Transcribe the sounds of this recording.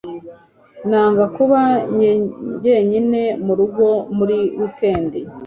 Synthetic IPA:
naːŋɡakuβaɲɲɟe̞ɲine̞muɾuɡo̞muɾiwukeːndi

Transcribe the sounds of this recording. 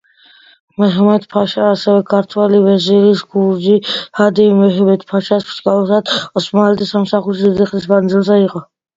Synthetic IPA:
mɛɦɛmɛt̪ʰpʰaʃaːsɛvɛkʰaɾt̪ʰwɛlivɛziɾisɡuɾd͡ʒihad̪imɛɦɛmɛt̪ʰpʰaʃaspʰskalˠɔs̬ad̪ɔsmaalɛt̪ʰʼisamsaχuɾʃid̪id̪iχlismand̪zilˠzɛiqʼɔ

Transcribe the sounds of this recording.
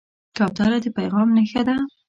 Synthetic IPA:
kawt̪ɑlad̪əpajɣɑmnəxad̪a

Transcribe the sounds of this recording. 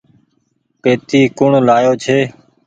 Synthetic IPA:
peːt̪iːkʊɳlaːjoːt͡ʃʰeː

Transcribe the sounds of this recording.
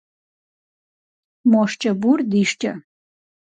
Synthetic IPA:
moʂt͡ʃʼɐburd̪iʂt͡ʃʼɐ̰

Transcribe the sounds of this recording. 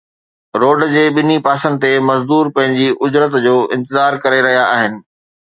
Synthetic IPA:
ɾoːɖd͡ʑeːɓɪnipaːsənt̪emɐzd̪uːɾpɐ̃ɦɪ̃ɲd͡ʑiʔʊd͡ʑɾət̪d͡ʑoːɪ̃nt̪ɪzaːɾkɐɾeɾɐɦijaaːɦɪnɪ̆

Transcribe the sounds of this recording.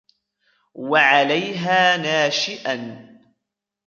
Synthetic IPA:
waʕalajɦaːnaːʃɪʔan

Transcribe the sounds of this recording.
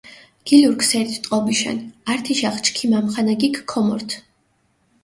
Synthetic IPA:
ɡ̥iluɾksɛɾt̪ʰt̪ʼqʼɔbiʃa̰naɾt̪ʰiʃaχt͡ʃʰkʰimamχanaɡikʰːɔmɔ̰ɾt̪ʰ

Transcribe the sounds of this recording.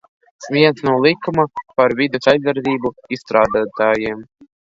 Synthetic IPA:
vʲiɛnsnawlˠikːumapaɾvʲid̪ɛsajzːaɾd̪ʲiːbuisst̪ɾaːd̪aːt̪aːjiɛm

